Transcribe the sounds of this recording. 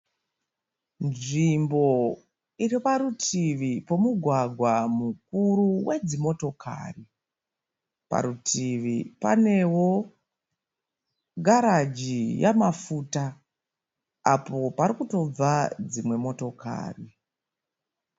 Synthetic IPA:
nʐimbo̞ | iɾipaɾutiʋipo̞muɡʱwaɡʱwamuk̚uɾuwed͡zimo̞to̞kʰa̰ːri | pa̰ɾutʰiʋipa̰ne̞wo̞ | ɡʱaɾad͡ʒija̰mafuta | apo̞paɾikuto̞b͡vad͡zimwe̞moto̞ka̰ːri

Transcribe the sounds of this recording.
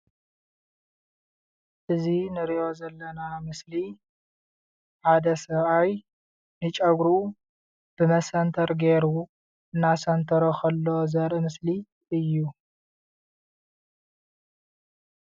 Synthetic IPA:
ʔɨzinɨɾiʔo̞zɐlːɐnamɨsli | ħad̪ɐsɐβaj | nɨt͡ʃʼɐɡɾu | b̥ɨmɐsɐnt̪ʰɐɾɡeɾu | ɨnːasɐnt̪ʰɐɾokʰɐlːo̞zɐɾʔɨmɨsli | ʔɨjːu

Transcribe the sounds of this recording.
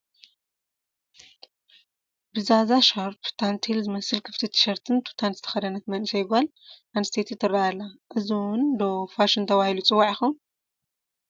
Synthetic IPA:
bɨzazaʃɐɾpt̪ʰant̪ʰelzɨmɐsɨlkʰɨ̥ft̪ʰit̪ʰɨ̥ʃɐɾt̪ʰɨnt̪ʰu̥t̪ʰanzɨt̪ʰɐ̥xɐd̪ɐnɐk̪mɐnɨsɐjɡal | anɨst̪ʰet̪ʰit̪ʰɨrːaalːaʔɨziwʊnd̪ofaʃint̪ʰɐβahilut͡sʼɨwːaʕjixon

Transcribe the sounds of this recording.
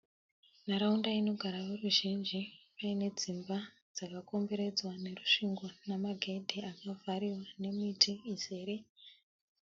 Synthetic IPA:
naɾaundaino̞ɡʱaɾaʋeruʒind͡ʒipaine̞d͡zimba | d͡zakako̞mbe̞ɾe̞d͡zwane̞ruʂiŋɡonamaɡʱe̞dʱiakavaɾiwane̞mitʰiizeːɾe

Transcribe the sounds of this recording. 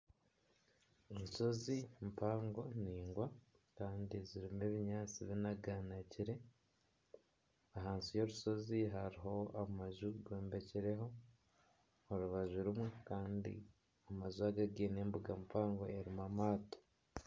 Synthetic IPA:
oɾuso̞zimpaːŋɡo̞niːŋɡwa | kaːndiziɾime̞βiɲaːt͡siβinaɡanaciɾe̞ | aɦaːnsijo̞ɾuso̞ziɦaɾiɦo̞amaʒuɡweːmbe̞ciɾe̞ɦo̞ | oɾuβaʒuɾumwekaːndḭ | amazuaɡaɡeːne̞mbuɡampaːŋɡo̞eɾimamaːto̥

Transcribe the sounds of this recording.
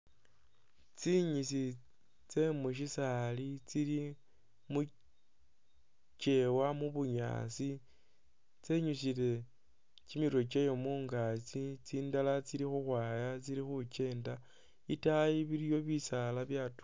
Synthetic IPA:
t͡siɲisi | t͡se̞muʃ̬isalit͡sili | mu | t͡ʃe̞wamuβuɲa̰ːsi | t͡se̞ɲuʃ̬ile̞ | t͡ʃimiɾo̞t͡ʃejo̞muːŋɡat͡sit͡siːndalat͡silixuxwaːjat͡siɾixut͡ʃe̞ːnda | itaiβiɾijo̞βisalaβjatu̥

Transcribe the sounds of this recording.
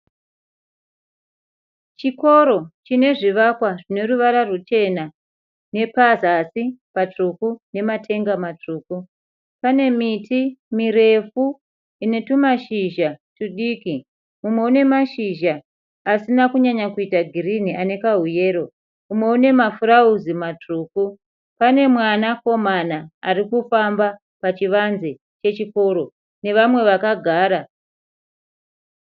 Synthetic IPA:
t͡ʃiko̞ɾo̞t͡ʃine̞ʐiʋakwaʐine̞ɾuʋaɾarut͡ʃe̞na | ne̞pazasipat͡ʂukune̞matʰe̞ŋɡamat͡ʂuːku | pane̞mitʰimiɾe̞fu | ine̞tumaʃiʒatuɗiːki | mumwe̞une̞maʃiʒaː | sinakuɲaɲakuitaɡʱiriniʔane̞kaɦuje̞ːɾo̞ | umwe̞une̞mafurauzimatruːku | pane̞mwanako̞manaarikufamba | pat͡ʃiʋanze | t͡ʃe̞t͡ʃiko̞ɾo̞ | ne̞ʋamwe̞ʋakaɡʱaːɾa

